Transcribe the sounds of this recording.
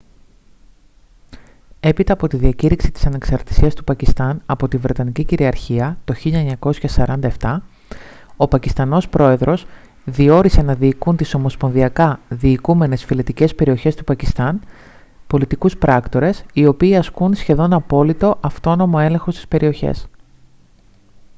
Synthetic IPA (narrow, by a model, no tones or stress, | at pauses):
e̞pit̪ɐːpo̞t̪iðiɐciɾiksi̥t̪isɐne̞ksɐɾt̪i̥siɐst̪upɐcist̪ɐnɐpo̞t̪ivɾe̞t̪ɐniciciɾiɐɾçiɐt̪o̞çiʎɐeɲɐko̞sçɐsɐɾɐnd̪ɐeft̪ɐ | o̞pɐcist̪ɐno̞spɾo̞e̞ðɾo̞s | ðio̞ɾise̞nɐðiːkunt̪iso̞mo̞spo̞nðiɐkɐðiːkume̞ne̞sfilet̪ice̞spe̞ɾio̞çe̞st̪upɐcist̪ɐn | po̞lit̪ikuspɾɐkt̪o̞ɾe̞sio̞piːɐskunsçe̞ðo̞nɐpo̞lit̪o̞ʔɐft̪o̞no̞mo̞e̞lẽ̞ŋxo̞st̪i̥spe̞ɾʔio̞çḛs